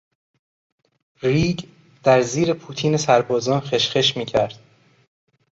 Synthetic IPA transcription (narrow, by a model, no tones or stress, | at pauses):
ɾiːɟ | d̪̥æɾziːɾe̞pʰuːt̪ʰiːnesæɾbɒːzɒːnxe̞ʃxeʃmiːcʰæɾd̪̥